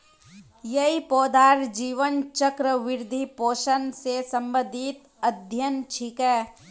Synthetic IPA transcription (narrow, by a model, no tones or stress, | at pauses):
jɐɦipoːd̪ʱaːɾd͡ʒiːʋənt͡ʃəkɾəʋɪɾd̪ʱipoːʃənsesə̃mbə̃d̪ʱit̪ | əd̪ʱjənt͡ʃʰikɛː